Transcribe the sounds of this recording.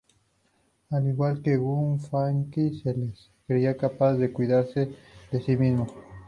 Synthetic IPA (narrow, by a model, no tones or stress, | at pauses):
aliɣwalkeɣunfaŋkiseles | kɾeiakapazðe̞kwiðaɾsed̪esimizmo